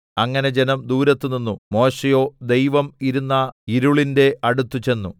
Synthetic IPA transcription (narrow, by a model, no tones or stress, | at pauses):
ɐŋːɐne̞d͡ʑenɐmd̪uːɾɐt̪ːuninːumo̞ːɕejo̞ːd̪e̞jʋɐmiɾunːɐiɾuɭinde̞ɐɽut̪ːut͡ɕe̞nːu